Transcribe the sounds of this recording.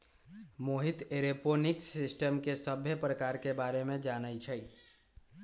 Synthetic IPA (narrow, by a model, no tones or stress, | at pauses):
moɦit̪eɾeponiksɪsʈəmkesəbʱepɾəkaːɾkebaːɾemẽd͡ʒaːnəjt͡ʃʰəj